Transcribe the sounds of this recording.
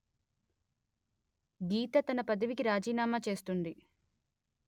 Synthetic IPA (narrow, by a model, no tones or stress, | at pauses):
ɡiːt̪ɐt̪ɐnɐpɐd̪ɐʋikiɾaːd͡ʒiːnaːmaːt͡ʃe̞ːst̪und̪i